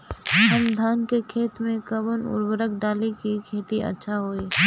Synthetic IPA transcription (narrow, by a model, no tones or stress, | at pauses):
ɐmd̪ʱaːnkekʰeːt̪mẽkəbənʊ̰ɾbəɾək̚ɖaːlekikʰeːt̪iʔɐ̰tːʃʰaɦoːiː